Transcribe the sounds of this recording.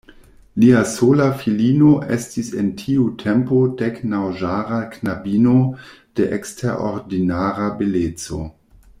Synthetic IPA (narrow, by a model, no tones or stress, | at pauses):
liasolafilinoʔestisentʰiutʰempodɛknawʒaɾaknabino | d̥eʔeksteɾo̰ɾdinaɾabelet͡so̰